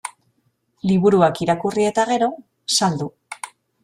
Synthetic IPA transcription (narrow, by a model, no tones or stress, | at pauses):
liβuɾuakiɾakurie̞t̪aɣ̞e̞ɾo̞ | sald̪u